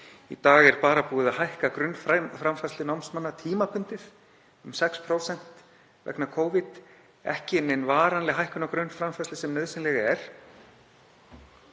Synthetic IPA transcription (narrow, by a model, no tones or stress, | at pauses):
ḭt̪aːɣɛɾpaːɾapuːɪðaɦajhkakɾʏnːfafɾamfaslɪnawmsmanːat̪ʰiːmapʰʏnt̪ɪθ | ʏmsɛkspʰɾoːwsɛn̥t̪ | vɛ̰knakʰoːwvɪt̪ | ɛ̰hcɪnːenvaːɾanlɪɦajhkʏnakɾʏnːfɾamfaslɪsɛmnœðsɪnlɛɣɛɾ̥